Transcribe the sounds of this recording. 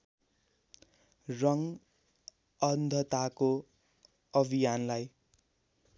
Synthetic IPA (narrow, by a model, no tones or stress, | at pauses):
rʌŋ | ʌnd̪ʱʌt̪ako | ʌbʱijanlaj